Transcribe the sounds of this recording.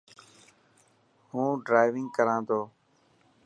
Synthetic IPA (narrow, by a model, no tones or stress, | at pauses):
ɦũːɖɾaːɪʋɪŋɡkəɾãːd̪oː